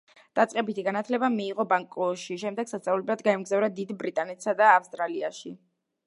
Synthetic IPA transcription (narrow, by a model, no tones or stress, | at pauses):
d̪̥at̪sʼqʼɛbit̪ʰiɡanat̪ʰlɛbamiːʁɔbaŋkʼɔʃiʃɛmd̪ɛɡ̥sast̪sʼavlɛblˠad̪ɡaɛmɡzavɾad̪id̪bɾit̪ʼanɛt̪ʰsad̪aːfst̪ʼɾaliaʃi